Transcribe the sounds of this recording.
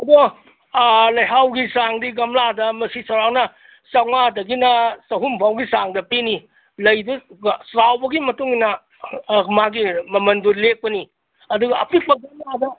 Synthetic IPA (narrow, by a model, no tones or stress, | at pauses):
ɐbɔ | lɐjɦawɡisaŋdiɡɐmladɐmɐsisɐwɾawnɐ | sɐŋmadɐɡinɐsɐɦumbʰʱawɡisaŋdɐpini | lɐjdusɾawbɐɡimɐtuŋinɐ | maɡimɐmɐndulek̚pɐni | ɐduɡɐ̰ːpʰik̚k͡pɐɡɐmladɐ